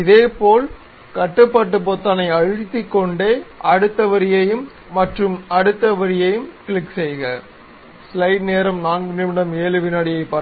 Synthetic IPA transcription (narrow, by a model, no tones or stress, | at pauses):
ɪðeːpoːl | kɐʈːɯpːɐʈ̬ːɯp̬ɔt̪ːɐnɐɪɐɻɪt̪ːɪkːɔɳɖeːʔɐɽɯt̪ːɐʋɐɾɪjɐjɯmː | ɐʈrɯmɐɽɯt̪ːɐʋɐɾɪjɐjɯmkɭɪksɛjɣɐ | slɐɪɖneːɾɐmnaːnɡɯnɪmɪɽɐmeːlɯʋɪnɐɽɪjɐɪpːɐɾ